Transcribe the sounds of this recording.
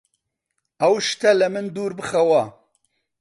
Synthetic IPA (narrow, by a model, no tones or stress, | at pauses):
ɐwʃt̪ɐlɐmɨnd̪uːɾbɨxɐwɐ